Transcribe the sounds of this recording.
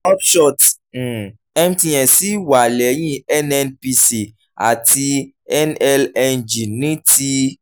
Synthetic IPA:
ɔ˦ʃɔ˦˨t̩˨ | ɛ˦mtĩ˧ɛ̃˨si˦wa˨lɛ˨˦jĩ˦ɛ˦nɛ˧npi˧si˨ | a̰˨ti˧ | ɛ˦nɛ˦lɛ˧nd͡ʒi˨nĩ˦ti˧˦

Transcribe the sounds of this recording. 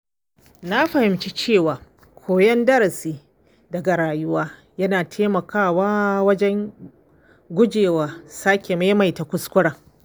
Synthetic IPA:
na˦ɸɐ˨hɪ˨mt͡ʃi˦t͡ʃeː˦˨waː˨ | kʷʰoː˨jɐ˦ndɐ˦ɾɐ˨siː˦ | dɐ˨ɡa˨ɽaː˨jʊ˦waː˦ | jɐ˦naː˨tʰeː˦mɐ˨kʰaː˦waː˦wɐ˦d͡ʒɛ˦ŋ | ɡʷʊ˦d͡ʒeː˨waː˨˦sa˦kʲe˨ma˦ma˨jta˨kʷʊ˦skʷʊ˦ɽaː˨

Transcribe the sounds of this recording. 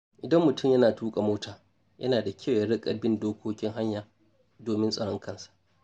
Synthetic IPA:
ʔɪ˨dɐ˦mːʊ˨tʊ˦˨mjɐ˦naː˨tuː˦kʼa˨moː˦tʰaː˨ | jɐ˦naː˨da˨kʲʰɐ˦˨wja˦ɽɪ˦kʼɐ˨bɪ˦ndoː˦kʷoː˦kʲɪ˦ŋɦa˦ɲjaː˨ | doː˨mɪ˦nsʼɐ˨ɽɔ˦ŋkʰɐ˦˨nsḁ˨ʔ

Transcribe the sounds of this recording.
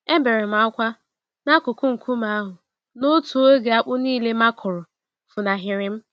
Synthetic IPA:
e˦m̩˦be˨ɾɪ˨m̩˨˦a˦kʷa˦ | na˦kʊ˨kʊ˦ŋ̩˨kʰu˦m̩a˨a˦ɦʊ˨ | no˦tu˨o˦ɡe˨a˦k͡pʊ˦niː˦le˦ma˦kʰʊ˨ɾʊ˨ | fʊ˨na˨ɦɪ˨ɾɪ˨m̩˦

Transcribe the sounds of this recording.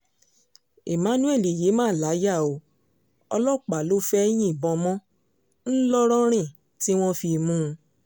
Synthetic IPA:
e˨mã˨˦nũ˦ɛ˦˨li˨je˨˦mãː˦˨la˨˦ja˦˨o˨˧ | ɔ˧lɔ˦˨k͡pa˨lo˦fɛ˦j̃ĩ˦i˦˨bɔ̃˧mɔ̃˦ | n̩˦lɔ˦ɾ̃ɔ̃˦ɾ̃ĩ˦˨ | ti˦w̃ɔ̃˦fi˧mũ˦˧

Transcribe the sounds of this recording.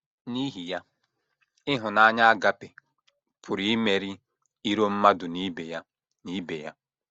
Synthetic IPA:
ni˦ɦi˨ja˦ | ɪ˦ɦʊ˨na˨a˦ɲa˦a˦ɡa˦pe˨ | pʰʊ˨ɾi˨˦me˨ɾi˦ | i˦ɾo˦m̩˦ma˦dʊ˨ni˦be˨ja˦ | ni˦be˨ja˦

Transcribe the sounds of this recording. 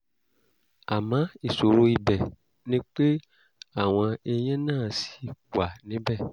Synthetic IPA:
a˨mã˨˦i˨so˨ɾo˧i˧bɛ˨ | nĩ˦k͡pe˦ | a˦˨w̃ɔ̃˧e˧j̃ɛ̃˦nãː˦˨si̥˨˦wa˨nĩ˨˦bɛ˦˨

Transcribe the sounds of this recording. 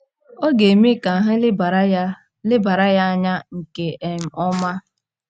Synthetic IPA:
o˦ɡe˨mi˦ka˨ɦɪ˦˨˦ | lɪ˦ba˨ɾa˦ja˦ɲa˦ŋ̩˨ke˨ʔe˨m̩˨ʔɔ˦ma˦

